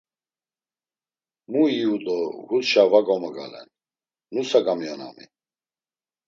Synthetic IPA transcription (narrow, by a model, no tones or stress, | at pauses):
muiud̪ʼɔɡut̪ʃavaɡɔmɛɡa̰lɛ̰nː | usaɡamijana̰mḭ